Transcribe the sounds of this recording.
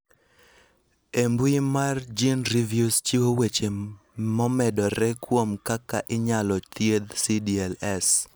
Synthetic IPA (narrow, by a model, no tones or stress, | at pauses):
embwimard͡ʒinɾivjust͡ʃiwowet͡ʃe | mɔmɛdɔɾɛkwomkaka̰ʔɪɲalɔt̪jed̪sidiɛlɛs